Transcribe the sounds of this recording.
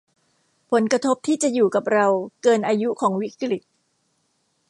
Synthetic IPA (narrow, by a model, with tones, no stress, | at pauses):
pʰo˩˦nkɾa˧t̪ʰo˦˥p̚t̪ʰiː˥˩t͡ɕa˨˩juː˨˩ka˨˩p̚ɾa˧wkɤː˧nʔaː˧ju˦˥kʰɔː˩˦ŋwi˦˥kɾi˨˩t̪̚